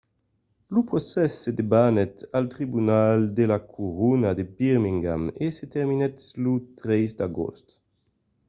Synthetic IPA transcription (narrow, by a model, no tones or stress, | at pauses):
lupʁosɛsːed̪ebanɛt̪alt̪ʁibunald̪elakʰuʁunad̪ebiʁmiŋɡa̰meset̪ɛʁminɛtlut̪ʁɛjsd̪aɡo̰st̪